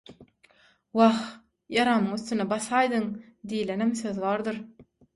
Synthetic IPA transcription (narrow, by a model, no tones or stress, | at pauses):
wɑx | jɑɾɑmɯŋyθt̪ynebɑsɑjd̪ɯŋd̪ijlenemθøðβɑːɾd̪ɯɾ